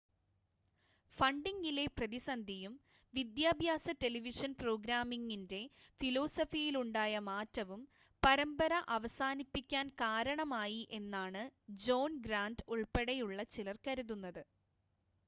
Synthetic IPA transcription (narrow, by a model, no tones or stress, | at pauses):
fɐɳɖiŋɡile̞prɐðisɐnd̪ʱijum | ʋid̪jaːbʱjaːsɐte̞liʋiʂɐnpro̞ːɡɾaːmiŋːinde̞filo̞ːsɐfijiluɳɖaːjɐmaːtːɐʋum | pɐɾɐmbɐɾɐʔɐʋɐsaːnipːikʲːaːnkaːɾɐɳɐmaːjiʔe̞nːaːɳɨd͡ʑo̞ːnɡɾaːnduɭpeɽejuɭːɐt͡ɕilɐrkɐɾuðunːɐðɨ